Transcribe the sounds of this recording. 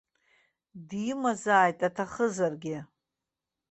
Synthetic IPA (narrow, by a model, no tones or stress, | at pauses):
dmazaːjtʼatʰaχəzarɡʲɪ